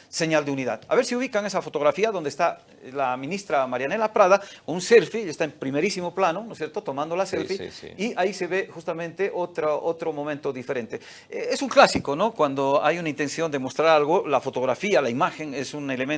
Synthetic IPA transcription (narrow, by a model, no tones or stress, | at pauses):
se̞ɲald̪euniðaða̰βe̞ɾsiuβ̞ikaŋesafo̞t̪o̞ɣ̞ɾafiaðo̞nd̪est̪a | lamĩnist̪ɾamaɾjane̞lapɾaðakonunse̞lfiʎest̪aempɾimeɾisimoplanonosje̞ɾt̪ot̪o̞mãnd̪olaselfḭiaise̞βe̞xust̪amẽnt̪eʔot̪ɾaʔot̪ɾomo̞mẽnt̪oðife̞ɾẽ̞nt̪e | eesuŋklasikonokwand̪oajunaint̪e̞nθjo̞nd̪emo̞st̪ɾaɾalɣolafo̞t̪o̞ɣ̞ɾafialaimaxe̞ŋesunelemẽn